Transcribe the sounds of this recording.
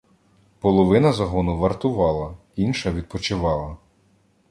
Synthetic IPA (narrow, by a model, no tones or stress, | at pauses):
pɔlˠɔʋɪnɐzɐɦɔnʊʋɐrt̪ʊʋɑlˠɐ | inʃɐʋʲid̪̚pɔt͡ʃɪʋɑlˠɐ